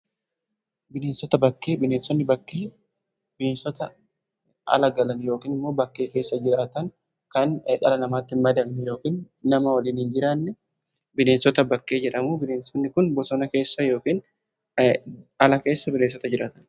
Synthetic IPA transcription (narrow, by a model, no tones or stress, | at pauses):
bɪneːnsɔt̪ɐbɐkːeːbɪne̞ːnsɔnːɪbɐkːeː | bɪneːnsɔt̪ɐ | ʔɐ̰lɐɡɐlɐnjo̞ːkiːnɪmːo̞ːbɐkːe̞ːke̞ːsːɐd͡ʒɪɾaːt̪ɐn | kɐnᶑɐlɐnɐmaːt̪ːɪnmɐd̪ɐmnɛjoːkiːnː | ɐmɐwɐliːnhind͡ʒɪɾanːɛ | bɪneːnsɔt̪ɐbɐkːe̞ːd͡ʒɛᶑɐmuːbɪneːnsɔnːɪkʊnbɔsɔnɐke̞ːsːɐjo̞ːkiːn | ɐlɐke̞ːsːɐbɪneːnsɔt̪ɐd͡ʒɪɾʔaːt̪ɐn